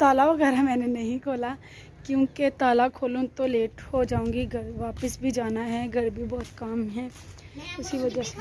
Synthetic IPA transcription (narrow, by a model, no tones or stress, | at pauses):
t̪aːlaʋɐɣɛːɾamɛ̃ːnenɐɦĩkʰoːla | kjũːket̪aːlakʰoːlõt̪oleːʈhod͡ʒaːõːɡiɡɐɾʋaːpəsbʱid͡ʒaːnaɦɛɡɐɾbʱibɔːʊt̪kaːmɦɛː | ʊsiʋɐd͡ʒase